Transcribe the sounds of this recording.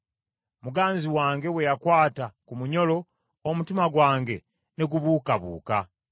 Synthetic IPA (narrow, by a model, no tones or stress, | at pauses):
muɡaːnziwaːŋɡe̞we̞jakwaːtakumuɲo̞lo̞ː | mutimaɡwaːŋɡe̞ | ne̞ɡuβuːkaβṵːka